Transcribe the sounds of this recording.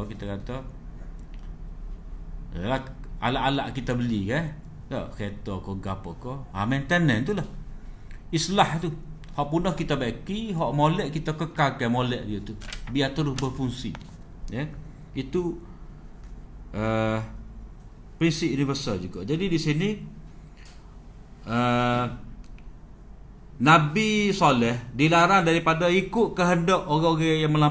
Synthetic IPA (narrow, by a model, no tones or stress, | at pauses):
kit̪akat̪ɔ | laha̰laʔala̰ʔkit̪abəlika | dɔʔket̪ɔkɔɡapɔkɔa̰mant̪ənɛnt̪ulah | islaht̪u | hɔʔpunɔhkit̪abaʔkiɦɔʔmolɛʔkit̪akəkalkamolɛʔdijət̪ubiaʔt̪əɾʊsbərfuŋsḭ | jə | it̪u | ə | pɾinsip̚junifərsald͡ʒuɡa̰ʔd͡ʒadidisini | ə | nabisolɛhdilaɾandaɾipadaikʊʔkəɦəndɔʔoɣaoɣɛjaŋməla